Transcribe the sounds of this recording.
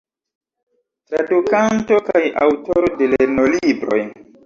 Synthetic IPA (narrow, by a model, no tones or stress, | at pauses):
tɾadukanto̞kajʔawtoɾodeleenolibɾo̞̰j